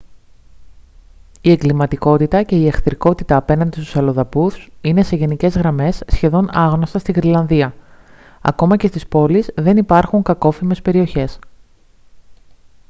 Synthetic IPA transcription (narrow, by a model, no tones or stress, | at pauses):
ie̞ŋɡlimɐt̪iko̞t̪it̪ɐce̞iexθɾiko̞t̪it̪ɐːpe̞nɐnd̪ist̪u̥sɐlo̞ðɐpuθine̞se̞ʝe̞nice̞zɣɾɐme̞sːçe̞ðo̞nɐɣno̞st̪ɐst̪iɣɾilɐnðiɐ | ɐ̰ko̞mɐcest̪ispo̞lizðe̞nipɐɾxuŋkɐko̞fime̞spe̞ɾio̞çe̞s